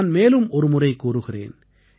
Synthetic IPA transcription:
nmeːlɯmɔɾɯmʊrɐɪkuːɾɯɣɪrḛːn

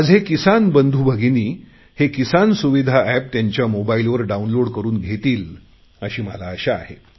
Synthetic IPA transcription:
əd͡zʱɦekisanbənd̪ʱubʱəɡʱiniː | hekisansuʋid̪ʱaʔæp̚t̪jaɲt͡ɕjamobailʋəɾɖaunloɽkəɾuːnɡʱet̪iːl | əɕiːməlaəɕaa̰ɦe

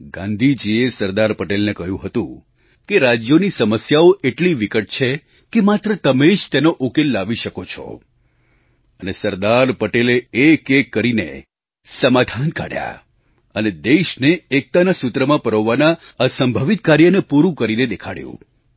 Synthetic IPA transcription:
ɡã̰nd̪ʱid͡ʒiesəɾd̪aɾpəʈelnekəɦjũɦət̪ṵ̃ | keɾad͡ʒjonisəməsjaoʔeʈliʋikəʈ̚t͡ʃʰe | kemat̪ɾət̪əmed͡ʒt̪enoʔokelːaʋiʃəkot͡ʃʰɔ̰ | ənesəɾd̪aɾpəʈeleekekːəɾinḛ | səmad̪ʱanka̰ɽja̰ | əned̪eʃneːk̚t̪anasʊt̪ɾəmãpəɾəʋːanaəsəmbʱəʋit̪̚kaɾjənepuɾũkəɾined̪ekʰaɽjṵ̃

